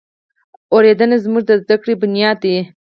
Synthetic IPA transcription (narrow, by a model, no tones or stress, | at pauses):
oɾed̪ənazmuʐd̪əzd̪akɽebʊnjɑːd̪ːe